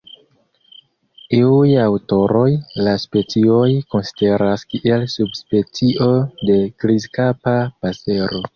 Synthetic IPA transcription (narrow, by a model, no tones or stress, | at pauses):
iujawto̞ɾo̞jlaspe̞t͡sio̞jko̞nsi̥de̞ɾaskiʔelsubspe̞t͡siʔo̞de̞kɾizkapapase̞ɾo̞